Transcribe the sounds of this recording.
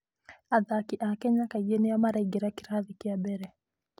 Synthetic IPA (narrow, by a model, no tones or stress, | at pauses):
aðakiʔakɛɲakaijɛniamaɾaiɡɛɾakiɾaðikiabɛɾɛ